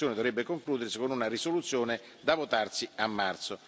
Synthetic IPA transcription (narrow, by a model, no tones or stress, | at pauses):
joːned̪ovɾebːekoŋkluːd̪eɾesekond̪unarisolut̪sːjoːne | d̪avot̪art̪siamːart̪so